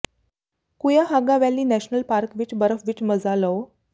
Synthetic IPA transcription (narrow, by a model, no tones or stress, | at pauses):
kujaɦaɡaʋɛlːiːnæɕnəlpaɾkʋiːʈbəɾəfʋiːʈməd͡zaləw